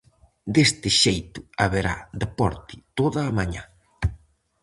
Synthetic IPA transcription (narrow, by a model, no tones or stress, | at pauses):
d̪est̪ɪʃejt̪ʊaβeɾa̰d̪epɔ̰ɾt̪ɪt̪oðɐːmaɲa̰